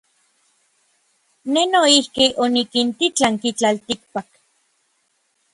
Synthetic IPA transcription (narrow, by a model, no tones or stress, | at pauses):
nenoihkiʔonikint̪it͡ɬaŋkit͡ɬalt̪ik̚pak